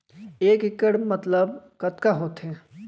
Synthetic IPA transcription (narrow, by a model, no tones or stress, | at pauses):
eːkɪkːəɽmət̪ləbkət̪kaɦoːt̪ɦɛ̃ː